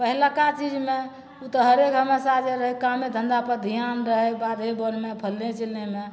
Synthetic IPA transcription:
pəɦilakat͡ʃid͡ʒme | ut̪əɦəɾekɦəmesad͡ʒeɾəɦɛkamed̪ʱə̃nd̪apəɾd̪ʱijanɾəɦɛbad̪ʱebənmepʰəlːet͡ʃəleme

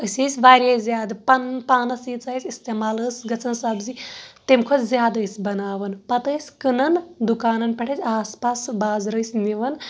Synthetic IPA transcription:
əsʲəːsʲʋaːɾʲjezʲjaːd̪pnpaːnɐsiːt͡saːsʲist̪eːmaːləːsʲɡɐt͡sɐnsɐbzit̪emkʰot͡szʲjaːd̪əsʲbɐnaːʋɐnpɐt̪əːsʲkɨnɐnd̪ukaːnɐnpʲɐʈʰɐt͡sʲaːspaːsbaːzɾəːsʲmiʋɐn

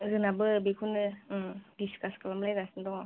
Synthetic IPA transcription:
zɯnabɯbikʰunɯdiskaskalamlajɡasndɔŋa

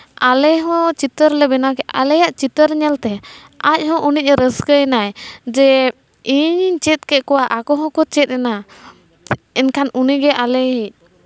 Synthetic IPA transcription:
alɛɦɔ̃t͡ʃit̪əɾlɛbɛnakɛʔalɛjaʔt͡ʃit̪əɾɲɛlt̪ɛ | ac̚ˀhɔ̃ʔunic̚ˀɾəskəjnajd͡ʒɛ | iɲt͡ʃɛt̪̚kɛʔ̚kɔwaʔakɔɦɔ̃kɔt͡ʃɛt̪̚ɾɛna | ɛnkʰanuniɡɛʔalɛɦic̚

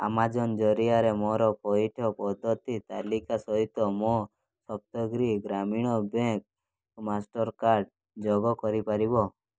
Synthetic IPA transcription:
a̰mad͡ʒɔnd͡ʒɔɾijaɾemɔɾɔpɔiʈʰɔpɔd̪ʱːɔt̪it̪alikasɔɦit̪ɔmɔ | sɔp̚t̪ɔɡɾiɡɾamiɽ̃ɔbẽk̚ | masʈɔɾkaɾɖ | d͡ʒɔɡɔkɔɾipaɾibɔ

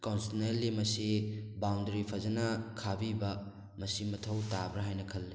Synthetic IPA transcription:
konsnelːimɐsibawndɐɾipʰɐzɐnɐkʰabibɐ | mɐsimɐtʰɐwtabɾɐɦajnɐkʰɐlːi

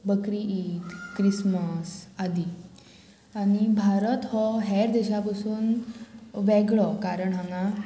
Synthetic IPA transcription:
bəkɾiiːt̪kɾisməsad̪i | añibʱaɾət̪ɦɔɦɛɾd̪ɛɕapasuːn | ʋɛɡɭɔkaɾəɳɦãŋã

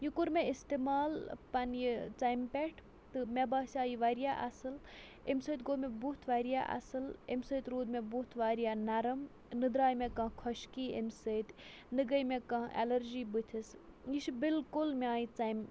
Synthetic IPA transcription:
jukuɾmeist̪emaːlpɐnjit͡sajmpʲeʈʰ | t̪ɨmʲebaːsʲaːjiʋɐɾijaʔɐ̰sɨl | emsəːt̪ɡoːmebut̪ʰʋɐɾja̰ʔɐ̰sɨlḛmsəːt̪ɾuːd̪mebut̪ʰʋaːɾijaːnɐɾɐm | nɨd̪ɾaːjmekɐ̃kʰɔʃkiːḛmsəːt̪ | nɨɡɐjmẽkɐ̃ʔḛlɐɾd͡ʒiːbɨt̪ʰis | jiʃbilkulmeaːjit͡sɐjm

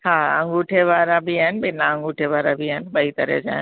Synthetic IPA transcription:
haːɐ̰̃ŋɡuːʈʰeʋaːɾãbʱiaːɦɪnɪ̆bɪnãə̃ŋɡuːʈʰeʋaːɾabʱiaːɦɪnɪ̆bɐit̪ɐɾə̰d͡ʑa̰ːɦɪn

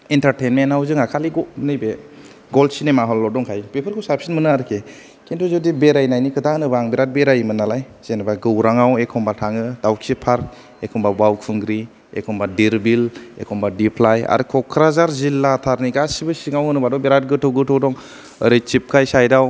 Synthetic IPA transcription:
intaɾtenmentawzɯŋakʰaliɡɔnɯbe | ɡɔlsinemaɦɔlːɔdɔŋkʰajpepʰɯɾkʰɔwsapsinmɯnɯaɾkʰe | kintɔzɔdibeɾajnajnikʰɯdanɯbaŋbeɾat̚beɾajmɯnalaj | z̥enbaɡɯwɾaŋawekʰɔmbatʰaŋɯdawkʰsipʰaɾk̚ | ekʰɔmbabawkʰɯŋɡɾi | ḛkʰɔmbadiɾbilḛkʰɔmbadipʰlaja̰ɾɯkʰɔkʰɾazaɾzilːatʰaɾniɡasibɯsiŋawɯnɯbadɔbeɾat̚ɡɯtʰɯwɡɯtʰɯwdɔŋ | əɾɯt͡ʃip̚kʰajsajdaw

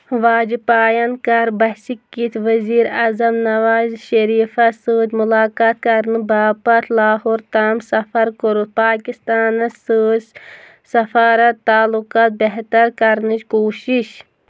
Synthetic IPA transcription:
ʋaːd͡ʒipaːjankaɾbɐhsikːit̪ʰʋɐziːɾazɐmnɐʋaːzʃɐɾiːfɐsɨːtmulaːkaːt̪̚kɐɾnɨbaːpɐt̪ʰlaːɦoːɾt̪aːmsɐfɐɾkɨɾut̪̚paːkist̪aːnɐsɨːd͡ʒ | sɐfaːɾɐt̪ːaːlukaːt̪̚beɦt̪ɐɾkɐɾnɨt͡ʃkoːʃiʃ

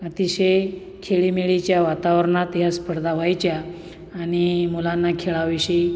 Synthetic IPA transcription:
ət̪iɕej | kʰeɭimiɭit͡ɕjaʋat̪aʋəɾɳat̪jaspəɾd̪ʱaʋajt͡ɕjaː | ñimulanːakʰeɭaʋiɕi

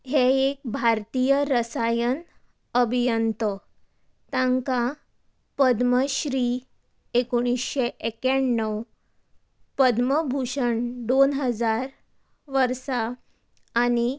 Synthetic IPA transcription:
ɦeek̚bʱaɾt̪ijəɾəsajən | əbʱijənt̪ə | t̪ãŋka | pəd̪məɕɾiː | ekoɽ̃isɕeʔekaɳːəw | pəd̪məbʱuɕəɳd̪onɦəd͡zaɾ | ʋəɾsaː | ñi

